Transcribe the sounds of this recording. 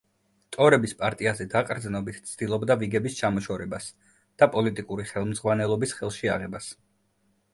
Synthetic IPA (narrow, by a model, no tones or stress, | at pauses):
t̪ʼɔɾɛbispʼaɾt̪ʼiazɛd̪aqʼɾd̪znɔbit̪ʰt̪sʰd̪̥ilˠɔbd̪aviɡɛbist͡ʃʰamɔʃɔɾɛbas | d̪̥apʼɔlit̪ʼikʼuɾiχɛlˠmzʁwanɛlˠɔbisχɛlˠʃia̰ʁɛbas